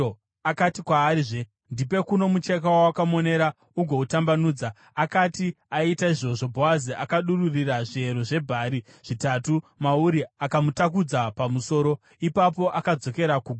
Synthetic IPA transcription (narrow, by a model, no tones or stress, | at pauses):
akatikwaːɾiʐe | ndipe̞kuno̞mut͡ʃe̞k̬awawakamo̞ne̞ɾa | uɡʱo̞utambanuːd͡za | akati | aitaiʐo̞ʐo̞bʱowaziʔakaɗururiraʐieɾoʐe̞bʱaːɾi | ʐ̥itatumauɾiakamutak̬ud͡zapamuso̞ːɾo̞ | ipap̬o̞ʔakad͡zo̞ke̞ɾakuːɡʱ